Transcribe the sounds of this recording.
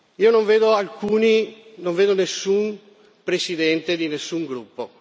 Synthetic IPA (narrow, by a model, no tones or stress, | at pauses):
iːonoɱveːd̪oalkuːninoɱveːd̪onesːun | pɾesid̪ɛnt̪ed̪inesːuŋɡɾupːo̰